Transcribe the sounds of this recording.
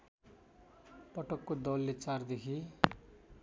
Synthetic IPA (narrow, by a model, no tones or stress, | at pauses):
pʌʈʌkːod̪ʌlːet͡sard̪ekʰi